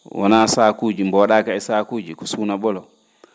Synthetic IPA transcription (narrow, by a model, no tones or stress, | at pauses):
wʔɔ̰nasakud͡ʒimbɔɗakaisakud͡ʒikɔ̥sunaɓɔlɔ